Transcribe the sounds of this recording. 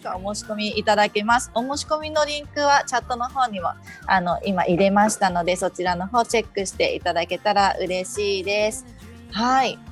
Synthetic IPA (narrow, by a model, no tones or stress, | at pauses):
kaomo̞ːɕi̥ko̞mʲiit̪ad̪ake̞masɨ̥o̞mo̞ːɕi̥ko̞mʲino̞ɾʲĩŋkɯ̟βat͡ɕat̪ːo̞no̞ho̞ːɲ̟imo̞ | ano̞ʔima̰ʔiɾe̞maɕi̥t̪ano̞d̪e̞so̞t͡ɕiɾano̞ɦo̞ːt͡ɕe̞kːɯ̟ɕi̥t̪e̞̰ḭt̪ad̪ake̞t̪aɾaʔɯ̟̰ɾe̞ɕiːd̪e̞sɨ̥ | hai